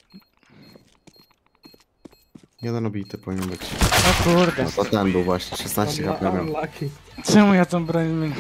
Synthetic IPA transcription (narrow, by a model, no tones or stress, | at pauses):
jɛd̪ɛnɔbʲit̪ɨpɔvʲiɲɛnbɘt͡ɕɔkuɾd̪t̪ɔt̪ɛnbɘwvwaɕɲɛʂɛsnaɕt͡ɕt͡ɕɛkapɛɾmʲɛkt͡ʃɛmujat̪ambɾanmi